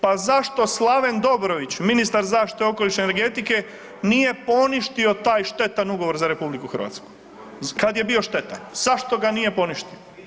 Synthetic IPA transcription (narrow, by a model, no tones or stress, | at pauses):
pazaʃt̪o̞slˠaʋe̞nd̪o̞bɾo̞ʋit͡ɕminist̪aɾzaːʃt̪i̥t̪eo̞ko̞liʃneneɾɡe̞t̪ike̞ | nije̞po̞niʃt̪io̞t̪aːjʃt̪e̞t̪anuɡo̞ʋo̞ɾzaɾe̞publikuxɾr̩ʋa̰ːt̪sku̥ | kad̪je̞bio̞ʃt̪e̞t̪a̰nz̥aʃt̪o̞ɡanije̞po̞niʃt̪io